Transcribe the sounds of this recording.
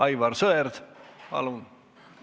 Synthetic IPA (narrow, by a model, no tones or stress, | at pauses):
ɑjvɑrsɤerd̪̥pɑ̰lun